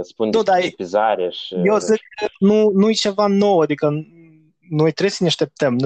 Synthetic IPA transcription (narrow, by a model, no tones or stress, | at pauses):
spunnud̪aepizaɾeʃijewzɨɡ̚kənunujet͡ʃe̞vano̞wad̪ikə | no̞jt̪ɾebsəneaʃt̪e̞p̚t̪əm